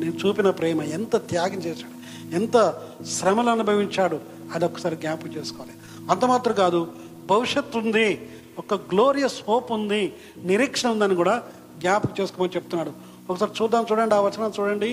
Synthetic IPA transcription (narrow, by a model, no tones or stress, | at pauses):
net͡ʃuːpinɐpɾɛːmɐent̪ɐt̪jaːɡɐnt͡ʃeːʃaːɽu | ent̪ɐ | ʃɾɐmɐlɐnubʱɐʋiɲt͡ʃaːɽu | ɐd̪iɔkːɐ̥saːɾiɡjaːpt͡ʃe̞ːsu̥kɔʋaːli | ɐnt̪ɐmaːt̪ɾɐɡaːd̪u | bʱɐʋiʂjɐt̪ːund̪i | ɔkːɐɡloːɾijɐshoːpund̪i | niɾiːkʂɐɳɐund̪aːnːikuːɽaː | ɡjaːpkt͡ʃeːsukɔːmɐnit͡ʃeput̪unːaːɽu | ɔkːɐsaːɾit͡ʃuːd̪ːaːnt͡ʃuːɽɐɳɖiaːʋɐt͡ʃɐnaːnt͡ʃuːɽɐɳɖi